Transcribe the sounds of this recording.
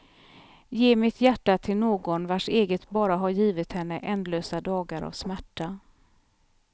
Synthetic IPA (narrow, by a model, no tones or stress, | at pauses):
jeːmɪt̪jæʈːat̪ʰɪlnoːɡɔnvaʂeːɡət̪bɑːɾaɦaɾjiːvɪt̪hɛnːəʔɛnd̪løːsad̪ɑːɡaɾa̰vsmæʈːa